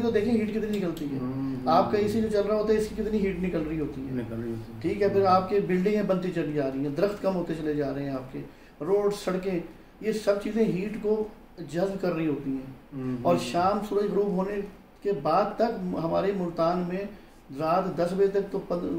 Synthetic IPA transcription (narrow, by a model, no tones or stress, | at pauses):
t̪od̪eːkʰẽɦiːʈkɪt̪ninɪkəlt̪iɦɛ̰aːpkaɪsid͡ʒot͡ʃɐlɾaɦoːt̪aɦɛɪskikɪt̪niɦiːʈnɪkəlɾəiɦoːt̪iɦɛː | ʈʰiːkɦɛpʰɪɾaːp̚kebɪlɖɪ̃ẽbɐ̃nt̪it͡ʃɐlid͡ʒaːɾɐɦiɦɛ̃ːd̪ɪɾəxt̪kɐmɦoːt̪et͡ʃɐled͡ʒaːɾəɦẽaːp̚keː | ɾoːɖsɐɽkẽ | jesɐb̚t͡ʃiːzẽɦiːʈko | d͡ʒɐzbkɐɾːəiɦoːt̪iɦɛ̃ːɔːɾʃaːmsʊɾəɣɾuːbɦoːne | kebaːd̪̚t̪ɐkɦɐmaːɾemʊɾt̪aːnmẽ | ɾaːt̪d̪ɐsbet̪ɐk̚t̪opɐ